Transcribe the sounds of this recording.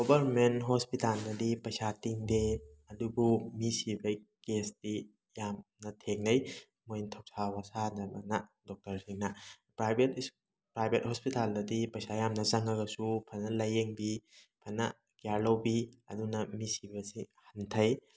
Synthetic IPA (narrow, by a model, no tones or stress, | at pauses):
ɡobɐɾmenɦospitalnɐdipɐjsatiŋdeɐdubumisibɐjkesdi | jamnɐtʰeŋnɐj | mojntʰow̚sʰawasanɐmɐnɐdok̚tɐɾsiŋnɐ | pɾajbʱet | pɾajbʱet̚hospitalnɐdipɐjsajamnɐzɐŋɐɡɐsupʰɐnɐlɐjeŋbi | pʰɐnɐ | kijaɾlɐwbiɐ̰dunɐmisibɐsihɐntʰɐj